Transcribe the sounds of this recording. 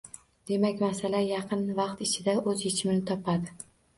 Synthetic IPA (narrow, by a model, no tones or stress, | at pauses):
d̪̥e̞makʲmasalajɑqʰɨnvɑqt̪ɪt͡ʃʰɪd̪aɵzjet͡ʃʰɪmnɪt̪ʰɒpʰad̪ɪ